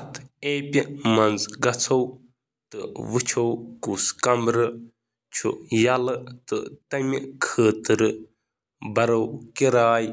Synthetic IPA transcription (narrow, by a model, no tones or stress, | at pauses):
ɐt̪ʰeːpʲimɐnd͡zɡɐt͡sʰɐw | t̪ɨʋɨt͡ʃʰowkuskɐmbɾɨ | t͡ʃʰṵjalɨt̪ɨt̪ɐmʲikʰəːt̪ɨɾɨ | bɐɾɐwkiɾaːj